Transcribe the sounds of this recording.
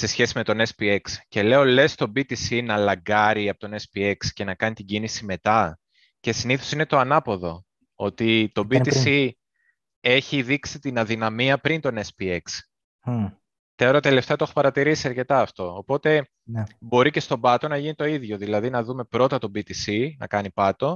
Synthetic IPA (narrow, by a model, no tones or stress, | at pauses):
se̞sçe̞sime̞t̪o̞ne̞spie̞ksce̞le̞o̞le̞st̪o̞bit̪isinɐlɐŋɡɐɾiɐpot̪o̞ne̞spie̞ksce̞nɐkɐnit̪iɟinisime̞t̪ɐ | ce̞siniθo̞sine̞t̪o̞ɐnɐpo̞ðo̞ | o̞t̪it̪o̞bit̪isi | e̞çiðiksit̪inɐðinɐmiɐpɾint̪o̞nespie̞ks | eɾot̪ele̞ft̪eɐt̪oexopɐɾɐt̪iɾisiɐɾce̞t̪ɐːft̪o̞ːpo̞t̪e̞ | bo̞ɾice̞st̪o̞bɐt̪o̞nɐʝinit̪o̞iðʝo̞ðilɐðinɐðume̞pɾo̞t̪ɐt̪o̞bit̪isinɐ̰kɐnipɐt̪o̞